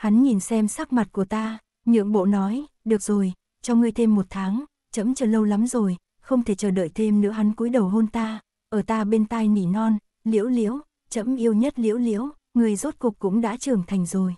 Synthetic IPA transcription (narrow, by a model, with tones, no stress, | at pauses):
ha˨˦nŋi˨˩nsɛ˧msa˦˥k̚ma˨˩t̚ku˧˩ət̪aː˧ | ɲɨ̰˧˥əŋɓo̰˧˨nɔ˨˦j | ɗɨ˨˩ək̚z̥o˨˩j | t͡ɕɔ˧ŋɨ˧əjt̪ʰe˧mːo˨˩t̚t̪ʰaː˨˦ŋ | t͡ɕə˨˦mt͡ɕəː˧˩lə˧wla˨˦mzo˨˩j | xə˧wŋ͡mt̪ʰe˧˩t͡ɕəː˧˩ɗə̰ː˧˨jt̪ʰe˧mnɨ̰˧˥əɦa˨˦nku˨˦jɗə˨˩wɦo˧nt̪aː˧ | ʔəː˧˩t̪aː˧ɓe˧nt̪aː˧jnḭ˧˩nɔ˧n | lḭ˧˥əwlḭ˧˥əw | t͡ɕə̰˧˥mʔi˧əwɲə˦˥t̚lḭ˧˥əwlḭ˧˥əw | ŋɨ˨˩əjzo˦˥t̚kʊ˨˩k̚kːʊ̰˧˥ŋ͡mɗa̰ː˧˥t͡ɕɨ˨˩əŋt̪ʰa˨˩jŋ̟zo˨˩j